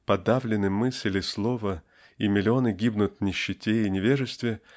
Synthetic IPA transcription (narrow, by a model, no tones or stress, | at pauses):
pɐd̪avlʲɪnɨmɨsʲlʲɪslˠo̞və | imʲɪlʲɪonɨɡʲibnʊt̪nʲɪɕːɪtʲeɪnʲɪvʲeʐɨst̪vʲɪ